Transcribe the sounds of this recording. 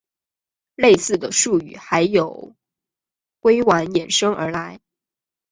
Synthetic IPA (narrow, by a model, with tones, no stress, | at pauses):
le˥˧ɪsɹ̩˥˩d̪ə˩ʂu˥˩y̰˨˩xa˧˥ɪjo˨˩ʊ | kwe˥ɪwa˧˥njɛ˨˩nʂɤ˥ŋə̰˞˧˥la˧˥ɪ